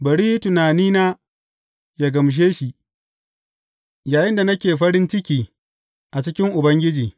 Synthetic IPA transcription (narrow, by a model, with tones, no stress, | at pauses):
bɐ˨ɽiː˦tʊ˨naː˨niː˦naː˦ | ja˨ɡɐ˨mʃ̬eː˦ʃi˨ | jaː˨jɪ˦nda˨nɐ˦kʲeː˨ɸɐ˦ɽɪ˦nt͡ʃɪ˦kʲiː˨ | ʔa˨t͡ʃɪ˦kʲɪ˦ŋʔʊ˨bɐ˦ŋɡʲɪ˦d͡ʒiː˨